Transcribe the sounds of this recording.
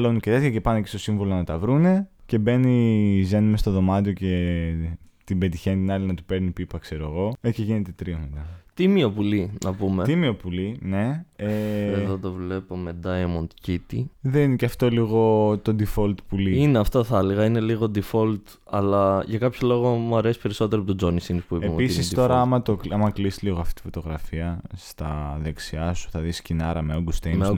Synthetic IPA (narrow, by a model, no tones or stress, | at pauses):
ɐlonuce̞t̪e̞t̪çɐce̞pɐnecest̪o̞siɱvolonɐt̪ɐvɾune̞ce̞be̞nizenumest̪o̞ðo̞mɐt̪io̞ce̞ | t̪ibet̪içe̞nit̪inɐlinɐt̪u̥pe̞ɾnipipɐkse̞ɾoɐɣo̞eceʝine̞t̪e̞t̪ɾiomet̪ɐt̪imiopulinɐpumet̪imio̞puline̞eeðot̪ovle̞pomed̪ɐiomont̪icit̪iðenineceɐft̪oliɣo̞t̪od̪ifolt̪puliineɐft̪o̞θɐliɣɐine̞liɣo̞d̪ifo̞lt̪ | ɐlɐʝɐkɐpçolo̞ɣo̞muɐɾe̞si̥pe̞ɾiso̞t̪e̞ɾopit̪od͡zo̞nisinpuipeemiisnisst̪io̞ɾɐɐɐmɐt̪okɐmɐklisliɣoɐft̪i̥t̪ifo̞t̪oɣɾɐfiɐst̪ɐðeksiɐsu̥θɐðiscinɐɾɐmeoɡust̪ejme